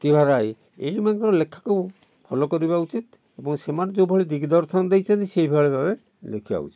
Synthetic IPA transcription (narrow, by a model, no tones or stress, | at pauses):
kibʱaɾaj | ejmaɡɾɔlekʰːḁko | bʰʱɔlɔkɔɾibaut͡ʃit̪ | ebɔŋsemaɾd͡ʒowbʱɔɭid̪iɡid̪ɔɾʃɔnɔd̪ejt͡ʃʰant̪isejbʱaɭebʱabe | lḛkʰiba̰ṵt͡ʃit̪